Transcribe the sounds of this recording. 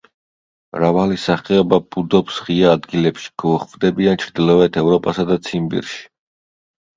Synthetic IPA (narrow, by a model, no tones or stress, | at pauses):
mɾavalisaχɛɔbab̥ud̪ɔpsʁiaːd̪ɡilɛpʃi̥ɡ̥ɔːχvd̪ɛbiant͡ʃʰɾd̪ilˠɔɛt̪ʰɛvɾɔpʼasad̪at̪sʰimbḭɾʃi̥